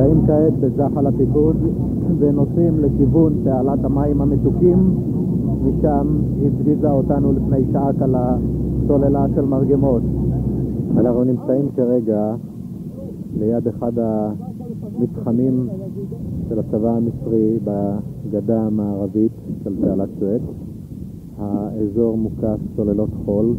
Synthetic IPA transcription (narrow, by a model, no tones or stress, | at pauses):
aimkaet̪̚bezaχalatifuz | veno̞simlekivunpealathamaimhametukimː | iʃam | hifɡizaotanulifnejsaakalat͡so̞le̞laʃe̞lmaʁɡemo̞t̪ | anaχnunimt͡saimkaʁeɡa | lejade̞χada | mitχamim | ʃelat͡savaːmisʁibaɡadamaːʁavitʃeltealatt͡ʃet | haezo̞ʁmukaft͡so̞le̞lo̞tχo̞l